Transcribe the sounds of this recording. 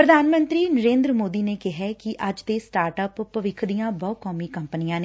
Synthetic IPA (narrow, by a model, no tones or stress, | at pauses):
pɾəd̪ʱaːnmə̃nt̪ɾiːnəɾẽːnd̪ɾəmoːd̪iːneːkɪɦɛːkɪʔəd͡ʒt̪eːsʈaːɾʈəpːəʋɪkʰd̪ijãːbɔːkɔːmiːkəmpənijãːneː